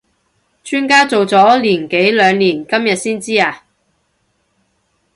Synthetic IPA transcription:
t͡ʃʰyː˥nkaː˥t͡so˨wt͡sɔː˨˥liː˨˩nke˨˥jlœː˨˧ŋniː˨˩nkɐ˥mjɐ˨t̚siː˥nt͡siː˥aː˧

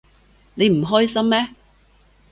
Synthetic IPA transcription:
ne˨˧jm̩˨˩ɦɔː˥jsɐ˥mmɛː˥

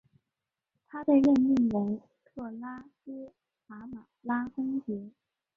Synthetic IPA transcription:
t̪ʰa˥t̪ə˧ɥɛ˥˧ni˥˩ŋwə˧˥n | t̪ʰɤ˥˩la˥s̩˥ | fa˧˥ma˨˩la˥fʊ˥ŋt͡ɕɛ˧˥

